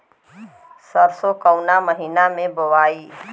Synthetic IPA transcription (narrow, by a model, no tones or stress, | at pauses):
səɾsokəʊnaməɦinamẽboʋaːi